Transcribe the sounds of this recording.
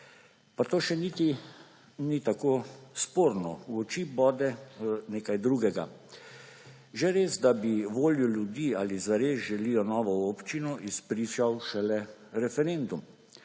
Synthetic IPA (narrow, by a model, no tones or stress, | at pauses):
pat̪oːʃɛnit̪i | nit̪akospoːɾnɔ̰wɔt͡ʃibɔːd̪ɛneːkajd̪ɾuːɡɛɡa̰ | ʒɛɾeːsd̪abiʋoːljuljud̪iːaːlizʋaɾeːzʒɛliːjɔnɔːʋɔopt͡ʃinɔʔispɾiːʃawʃɛlɛɾɛfɛɾend̪um